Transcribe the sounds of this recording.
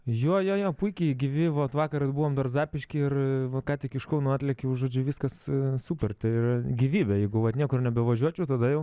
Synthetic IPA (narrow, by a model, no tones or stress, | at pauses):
joːjoːjoːpʊɪkʲɛɪɡʲɪʋʲɪʋɐt̪ʋɑːkɐɾɐbuːʋoːmd̪ɐrzɑːpʲɪʃʲkʲɪɪrʋɐkɑːt̪ʲɪkɪʃkɐʊnuːɑːt̪ʲlʲɛkʲɛʊʒoːd͡ʒʲʊʋʲiːskɐssuːpʲɛrʲt̪ʲɛɪrɡʲiːʋʲiːbʲɛjɛɪɡʊʋɐt̪nʲiɛkʊrnʲɛbʲɛʋɐʒʲuɔt͡ʃʲɛʊt̪ɐd̪ɐjɛʊ